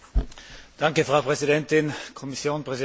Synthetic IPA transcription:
d̥aŋkəfʁ̥aʊpʁɛzidɛntɪnkʰɔmisjoːnpʁɛzi

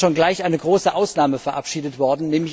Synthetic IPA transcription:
oːnɡlaɪçʔaɪnəɡʁoːsəʔaʊsnaːməfɛɐʔa̰pʃiːdətv̥ɔɐdn̩nɛːmlɪç

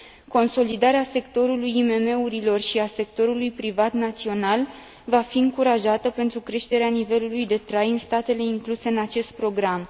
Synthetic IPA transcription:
ko̞nso̞lid̪aɾease̞kt̪o̞ɾulujime̞me̞uɾilo̞rʃiase̞kt̪o̞ɾulujpɾivat̪nat̪sio̞nal | vafiɨŋkuɾaʒat̪əpe̞nt̪ɾukɾe̞ʃt̪e̞ɾeanive̞lulujd̪e̞t̪ɾajɨnst̪at̪e̞le̞iŋkluse̞ɨnat͡ʃe̞st̪̚pɾo̞ɡɾam

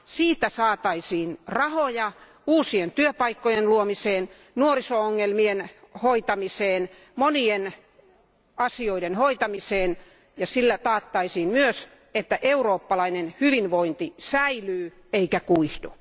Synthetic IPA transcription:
siːt̪æsɑːt̪ɑisiːnrɑhojɑ | uːsient̪yøpɑikːojenluomiseːn | nuorisooŋːelmienhoit̪ɑmiseːn | monien | ɑsioidenhoit̪ɑmiseːn | jɑsilːæt̪ɑːt̪ːɑisiːnmyøs | et̪ːæʔeuroːpːɑlɑinenhyʋinʋoint̪isæilyː | eikækuihdu

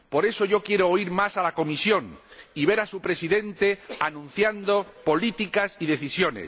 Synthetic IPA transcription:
po̞ɾe̞so̞ʝo̞kje̞ɾoːiɾmasalako̞misjõ̞ŋiβ̞e̞ɾasupɾe̞siðe̞nt̪e̞anũn̟θjand̪o̞po̞lit̪ikasiðe̞θisjo̞ne̞̰s

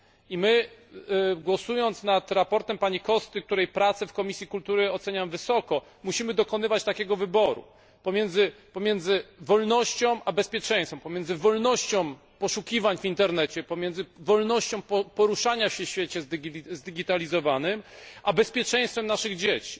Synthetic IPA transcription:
imɘ | ɡwɔsujɔnt̪snat̪ɾapɔɾt̪ɛmpaɲikɔst̪ɘk̚t̪uɾɛjpɾat̪sɛfkɔmʲisʲjikult̪uɾɘɔt̪sɛɲamvɘsɔkɔ | muɕimɘd̪ɔkɔnɘvat͡ɕt̪akʲɛɡɔvɘbɔɾṵ | pɔmʲjɛnd̪zɘpɔmʲjɛnd̪zɘvɔlnɔɕt͡ɕɔ̃w̃ʔabɛspʲjɛt͡ʂɛ̃j̃st̪fɔ̃m̃pɔmʲjɛndzɘvɔlnɔɕt͡ɕɔ̃w̃ | pɔʂukʲivaɲvint̪ɛɾnɛt͡ɕɛpɔmʲjɛnd̪zɘvɔlnɔɕt͡ɕɔ̃w̃pɔpɔɾuʂaɲafɕɛɕfʲjet͡ɕɛzʲzd̪ɘɡʲit̪alʲizɔvanɘmʔabɛspʲjɛt͡ʂɛ̃j̃st̪fɛmnaʂɘɣd͡ʑet͡ɕi̥

